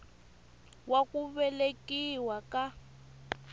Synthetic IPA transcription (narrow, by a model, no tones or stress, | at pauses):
wakuβɛlekiwaka